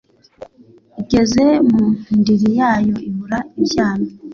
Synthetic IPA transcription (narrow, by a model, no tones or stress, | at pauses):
iɡe̞ze̞muundiɾijaːjo̞iβuɾaicaːni